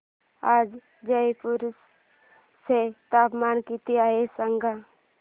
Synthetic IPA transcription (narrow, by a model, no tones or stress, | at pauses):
aːd͡ʒ | d͡ʒəipʊɾsː | et̪aːpmaːnkit̪iaːɦesəŋɡa